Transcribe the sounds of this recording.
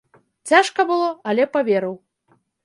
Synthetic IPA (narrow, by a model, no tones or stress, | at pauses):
t͡sʲaʂkɐbɨlˠɔɐlʲɛpavʲeɾɨw